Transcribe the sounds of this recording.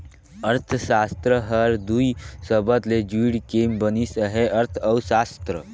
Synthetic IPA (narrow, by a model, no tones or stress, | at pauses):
əɾt̪ʰsast̪ɾəɦəɾd̪uisəbət̪led͡ʒiɽkembənisəɦeʔəɾt̪ʰəwsast̪ɾə